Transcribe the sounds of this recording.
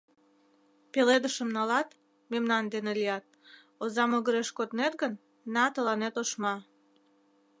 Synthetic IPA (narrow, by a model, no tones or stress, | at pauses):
peled̪əʃəmnɑlɑt̪ | memnɑnd̪enelijɑt̪̚ | ozɑmoɣəɾeʃkot̪net̪ɡən | nɑt̪əlɑnet̪oʃmɑ